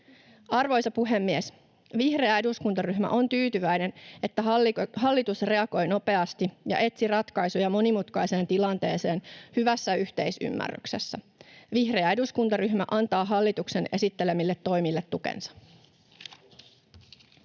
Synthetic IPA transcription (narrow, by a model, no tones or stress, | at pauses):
ɑrʋo̞jsɑpuɦe̞mːies | ʋihre̞æe̞duskunt̪ɑryɦmæ̰ʔo̞nt̪yːt̪yʋæjne̞ne̞t̪ːæɦɦɑlːit̪usre̞ɑɡo̞jno̞pe̞ɑst̪ijɑ̰ʔe̞t̪sirɑt̪kɑjsujɑmo̞nimut̪kɑjse̞ːnt̪ilɑnt̪e̞ːse̞ːnhyʋæsːæyçt̪e̞jsy̰mːæ̰rːy̰kse̞sːæ | ʋihre̞ɑe̞duskunt̪ɑryhmæʔɑnt̪ɑːɦɑlːit̪ukse̞ne̞sit̪ːe̞le̞milːet̪ːo̞jmilːet̪ːukḛnsɑ̥